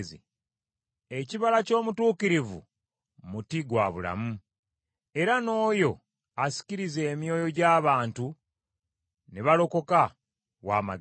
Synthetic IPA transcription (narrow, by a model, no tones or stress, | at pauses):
zḭ | eciβalaco̞ːmutuːkiɾivṵ | mutiɡwaβula̰mu | e̞ɾano̞ːjo̞ | asi̥ciɾize̞ːmjo̞ːjo̞ɟaːβaːntu | neβalo̞ko̞ka | wa̰ːma̰